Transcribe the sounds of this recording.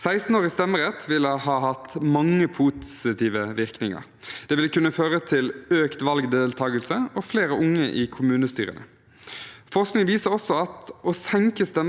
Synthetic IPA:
sæɪst̪n̩oːʁɪst̪ɛmːəɾɛt̪ʰʋɪlːɦɑːhɑt̪mɑŋːəpʰusɪt̪iːʋəʋɪʁknɪŋə̰ʁ | d̪̥ɛːʋɪlkʰʉnːəføːʁət̪ʰɪløːkt̪ʋɑlɡd̪eːlt̪ʰɑːɡəlsəɔfleːʁəʊŋːəʔɪkʰʊmʉːnəst̪y̰ːʁə̰nə̰ | fɔʁsknɪŋʋiːsəɾɔsɔɑt̪ɔsɛŋkəst̪ɛm

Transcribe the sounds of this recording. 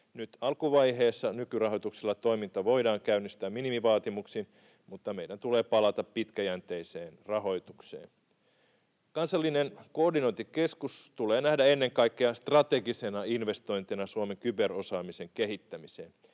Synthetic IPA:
nyt̪ɑlkuʋɑjɦe̞ːsːɑnykyrɑɦo̞jt̪ukselːɑt̪o̞jmint̪ɑʋo̞jdɑːŋkæynːist̪æːmːinimiʋɑːt̪imuksin | mut̪ːɑmejdænt̪ule̞ːpɑlɑt̪ɑpːit̪kæjænt̪eiseːnrɑɦo̞jt̪uksḛːn | kɑnsɑlːinenko̞ːrdino̞int̪ike̞skust̪ule̞ːnæhdæe̞nːeŋkɑjkːeɑst̪rɑt̪e̞ɡise̞nɑinʋe̞st̪o̞jnt̪inɑsuomeŋkybero̞sɑːmiseŋkeɦit̪ːæmiseːn

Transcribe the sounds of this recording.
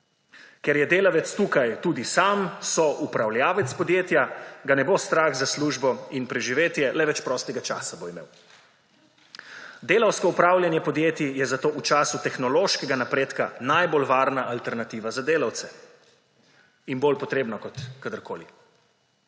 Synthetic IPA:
kɛɾjɛd̪eːlaʋɛt̪st̪ukajt̪uːd̪isaːmsɔʔupɾawljaːʋɛt̪spɔd̪jeːt̪jaɡanɛbost̪ɾaɣzasluːʒbɔinpɾɛʒiʋeːt̪jɛlɛʋɛt͡ʃpɾɔst̪ɛɡat͡ʃa̰ːsaboimḛːw | d̪eːlawskɔupɾawljanjɛpɔd̪jeːt̪ijɛzat̪oːut͡ʃaːsut̪ɛxnɔloːʃkɛɡanapɾeːt̪ka̰najbolʋaːɾnaʔalt̪ɛɾnat̪iːʋazad̪eːlawt̪sɛ | inbolpɔt̪ɾeːbnɔkɔt̪kad̪əɾkʰoːlḭ

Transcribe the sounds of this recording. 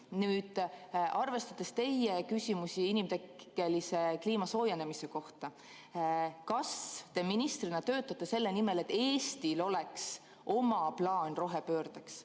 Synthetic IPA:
nyːd̪̥ʔɑrve̞st̪ɑd̪̥est̪e̞jːekysʲimusʲiinimt̪ekːe̞lise̞kliːmɑso̞ːjene̞mise̞ko̞ht̪ɑ | kɑst̪e̞minist̪rinɑt̪ø̞ːt̪ːˑɑt̪ːˑe̞se̞lːe̞nime̞le̞t̪ːˑe̞ːst̪ilo̞le̞ks | o̞mɑplɑːnro̞ɦepø̞ːrd̪̥ɑks

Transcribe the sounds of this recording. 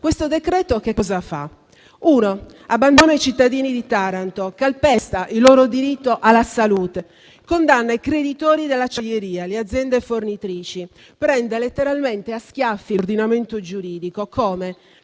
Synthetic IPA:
kwest̪od̪ekɾɛːt̪okekːɔzafa̰ | uːno | abːand̪oːnait͡ʃit̪ːad̪iːnid̪it̪aɾant̪okalpɛst̪aʔilːoːɾod̪iɾit̪ːoʔalːasaluːt̪e | kond̪anːaikɾed̪it̪oːɾid̪elːat͡ʃajeɾiːalead̪zːjɛnd̪efornit̪ɾiːt͡ʃi | pɾɛnd̪elet̪ːeɾalment̪eask̟jafːilord̪inament̪od͡ʒuɾiːd̪ikokʰɔːme

